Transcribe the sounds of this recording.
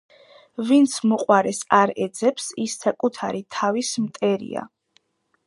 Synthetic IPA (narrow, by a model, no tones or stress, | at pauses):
vint̪sʰmɔqʼwaɾɛsaɾɛd̪zɛpsisːakʼut̪ʰaɾit̪ʰavismt̪ʼɛɾḭa̰